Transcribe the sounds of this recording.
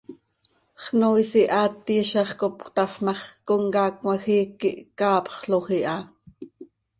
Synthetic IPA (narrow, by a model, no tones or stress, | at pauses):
χnoisiʔɑːt̪ːiːʃɑχkopkt̪ɑfmɑχkoŋkɑːkmɑxiːkːiʔkɑːpχɬoχiʔɑ